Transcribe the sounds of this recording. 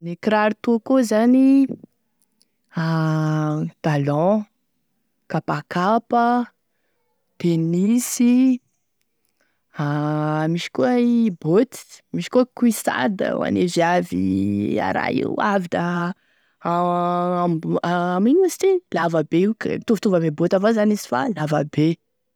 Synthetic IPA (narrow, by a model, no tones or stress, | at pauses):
nekɾaɾit̪okozani | a | d̪̥alɔ̃ | kapakapə | t̪enisi | amiʃi̥kuəibot̪i̥miʃi̥kuəkuisa̰d̪ə̰wa̰neziavḭa̰ɾa̰jḭwavid̪a | maaminusi̥t̪eilavəbeukə̰it̪uvut̪uvabebot̪avazanizi̥fa̰lavəbe